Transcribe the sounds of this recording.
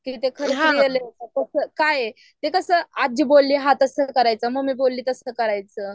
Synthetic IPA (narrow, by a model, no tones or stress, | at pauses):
kit̪ekʰəɾət͡sɦjeleəkəsəːkaje | t̪ekəsəːad͡ʑəbolːiːɦat̪əsəkəɾajt͡səməɡmiːbolːiːt̪əsəkəɾajt͡sə